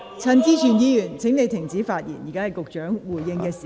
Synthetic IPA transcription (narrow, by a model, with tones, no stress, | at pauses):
t͡sʰɐ˧nt͡siː˥t͡ʃʰyː˨˩njiː˨˧jyː˨˩nt͡sʰɪ˨˥ŋne˨˧jt̪ʰɪ˨˩ŋt͡siː˨˥faː˧t̚jiː˨˩nji˨˩kaː˥hɐ˨˩jkʊ˨k̚t͡ʃœː˨˥ŋwuː˨˩jːɪ˧ŋkɛː˧siː˨